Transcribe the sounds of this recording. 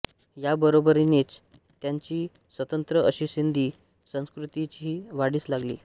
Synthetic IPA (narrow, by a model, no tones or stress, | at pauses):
jabəɾobəɾinet͡s | t̪jaɲt͡ɕiː | sʋət̪ənt̪ɾəəɕiːɕind̪iː | sə̃w̃skɾut̪it͡ɕiːʋaɽiːslaɡlḭː